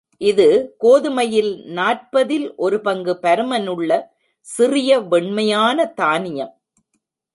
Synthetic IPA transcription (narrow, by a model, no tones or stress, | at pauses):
ʔɪðɯkoːðɯmɐjɪlnaːʈ̚pɐðɪlʔɔɾɯpɐŋɡɯpɐɾɯmɐnɯɭːɐ | sɪrɪjɐʋɛɳmɐjaːnɐt̪aːnɪjɐm